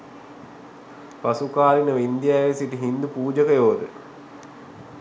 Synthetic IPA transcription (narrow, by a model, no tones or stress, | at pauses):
pasukaːlinəʋind̪ijaːʋesiʈəɦind̪upuːd͡ʒəkəjoːd̪ə